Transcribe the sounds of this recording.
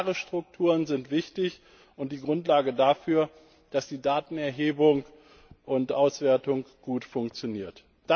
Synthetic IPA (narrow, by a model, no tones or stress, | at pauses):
ʁəʃtʁ̥ʊk̚tʰuːʁənzɪntv̥ɪçtɪç | ʊnt̚d̥iːɡʁʊntlaːɡədafyːɐ | d̥asd̥iːdaːtn̩ɛɐɦeːbʊŋ | ʔʊntʔaʊsv̥eːɐtʊŋɡ̥uːtfʊŋkt͡sjoniːɐt | d̥a